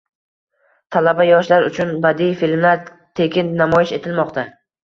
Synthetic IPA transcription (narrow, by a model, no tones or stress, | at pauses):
t̪ʰalabajɒʃlaɾʊt͡ʃʰʊnbad̪ijfilmlaɾ | t̪ʰe̞kʲɪnːamɒjɪʃe̞t̪ʰɪlmɒqt̪a